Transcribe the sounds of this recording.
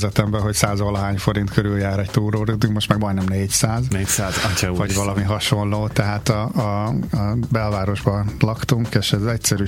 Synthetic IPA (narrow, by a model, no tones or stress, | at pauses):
zɛt̪ɛmbɛɦo̞csaːzolɒɦaːɲfo̞ɾint̪kʰøɾyljaːɾɛc̚t̪uːɾoːɾid̪yŋkmo̞ʃt̪mɛɡ̚bɒjnɛmneːcsaːzneːcsaːzɒvɒɟvɒlɒmiɦɒʃo̞nloːt̪ɛɦaːt̪ɒ | bɛlvaːɾo̞ʒbɒlɒkt̪uŋkeʃɛzɛcsɛɾyː